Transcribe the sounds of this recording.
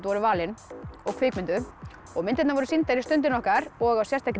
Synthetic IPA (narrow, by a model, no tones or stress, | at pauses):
t̪vɔɾʏvaːlɪnɔɣkʰvɪːkmɪnt̪ʏ | ɔɣmɪnt̪ɪt̪navɔɾʏsint̪aɾɪst̪ʏnt̪̬ɪnɔhkaɾɔɣawsjɛst̪akɾ